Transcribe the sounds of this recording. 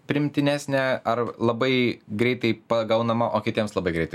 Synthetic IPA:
pʲɾʲɪɪmʲt̪ʲɪnʲæːsʲnʲɛɐɾlˠɐbɐɪɡɾʲɛɪt̪ɐɪpɐɡɐʊnɐmɐʔoːkʲɪt̪ʲiɛmslˠɐbɐɪɡɾʲɛɪt̪ɐɪ

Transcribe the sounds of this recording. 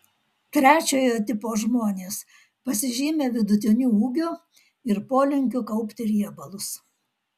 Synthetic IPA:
t̪ʲɾʲæːt͡ʃʲoːjoːt̪ʲɪpoːʒmoːnʲeːs | pɐsʲɪʒʲiːmʲeːʋʲɪd̪ʊt̪ʲɪnʲuːuːɡʲʊ | ɪɾpoːlʲɪŋʲkʲʊkɐʊpʲt̪ʲɪɾʲiɛbɐlˠʊs

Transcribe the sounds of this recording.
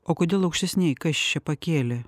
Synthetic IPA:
oːkoːd̪ʲeːlˠɐʊkʃʲt̪ʲɛsʲnʲɛɪkɐʃʲt͡ʃʲɛpɐkʲeːlʲɛ

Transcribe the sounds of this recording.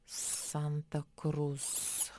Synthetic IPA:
sant̪akɾus

